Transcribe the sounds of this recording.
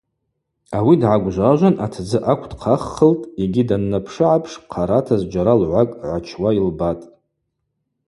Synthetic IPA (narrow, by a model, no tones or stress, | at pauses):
awidʕaɡʷʒʷaʒʷanʔatʰd͡zɨʔakʷʰdqʰaχːəltʼeɡʲidanːapʰʂɨʕapʰʂqʰaɾatʰazd͡ʒaɾalʕʷakʼʕʷat͡ʃʰwailbatʼ